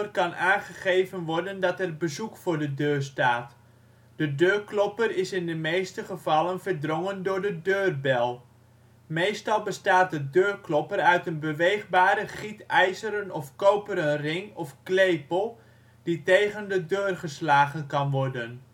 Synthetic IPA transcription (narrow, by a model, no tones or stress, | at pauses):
ərkɑnaːnχəχejvənʋɔɹdəndɑtɛrbəzukfʊːɹdədøːɹstaːt | d̥ədøːɹklɔpərɪsɪndəmejstəχəv̥ɑlənvəɹdrɔŋəndʊːɹdədøːrbɛlˠ | mejstɑlˠbəstaːt̚dədøːrklɔpərœɥtənbəʋejχbaːɾəχitɛjzəɾənɔfkowpəɾənrɪŋɔfklejpəlˠ | ditejχəndədøːrχəslaːχənkɑnʋɔrdən